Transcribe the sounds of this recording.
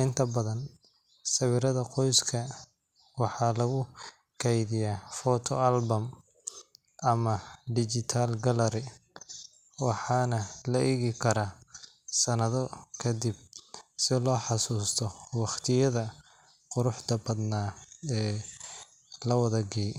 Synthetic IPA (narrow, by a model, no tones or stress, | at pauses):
ɪnt̪ʰɐbɐðɐn | sɐβɪɾɐðɐqɔjskʰɐ | wɑħɑlɐɣʊ | kʰɛjðɪjafɔt̪ʰɔalbɐm | ʔɐmɐɖ̪ɪt͡ʃɪt̪ʰalɡɐlɐɾɪ | wɑħɑːnɐlɐʔɛɣɪkʰɐɾɐ | sɐnɐðɔkʰɐd̪ɪb̚sɪlɔːħɑsuːst̪ʰɔwɑχt̪ʰɪjɐðɐ | qʊɾʊħt̪ɐbɐd̪naːɛː | lɐwɐðɐɡɛj